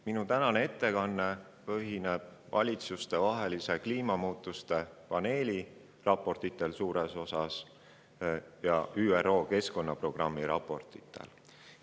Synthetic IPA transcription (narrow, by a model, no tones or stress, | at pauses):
minut̪ænɑnee̞t̪ːe̞kɑnːe̞ | pɤ̞ɦine̞b̥̚vɑ̰lʲit̪sust̪e̞vɑɦe̞lise̞kliːmɑmuːt̪ːˑust̪e̞pɑne̞ːlʲi | rɑpːˑo̞rt̪it̪ːˑe̞lsuːɾeso̞sɑs | jɑ̰ʔyːero̞ːke̞sko̞nːɑpro̞ɡ̥rɑmːiɾɑ̰pːˑo̞rt̪ˑit̪ʰˑːḛl